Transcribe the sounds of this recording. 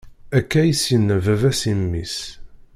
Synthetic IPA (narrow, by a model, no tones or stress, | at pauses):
ækːæjəsjənːævævæsimːis